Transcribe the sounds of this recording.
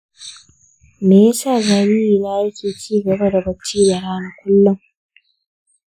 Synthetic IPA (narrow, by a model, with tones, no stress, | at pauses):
meː˨ja˦saː˦˨za˨ɾiː˦ɾiː˨na˦ʔa˦jkʲeː˨t͡ʃiː˦ɡɐ˨bɐ˦da˨bɐ˦t͡ʃːiː˦da˨ɽaː˦na˨kʷʊ˦lːʊ˨ŋ